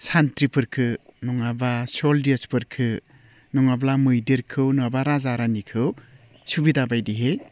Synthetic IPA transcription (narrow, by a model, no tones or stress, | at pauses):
santɾipʰɯɾkʰɯnɔŋabasɔldiespʰɯɾkʰɯ | nɔŋablamɯjdeɾkʰɯwnɔabaɾazaɾanikʰɯw | subidabajdiɦej